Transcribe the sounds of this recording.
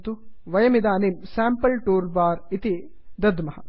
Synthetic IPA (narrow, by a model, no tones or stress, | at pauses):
t̪uʋɐjɐmid̪aːnimsaːmpɐlʈuːɾbaːɾit̪i | d̪ɐd̪mɐɦɐ̰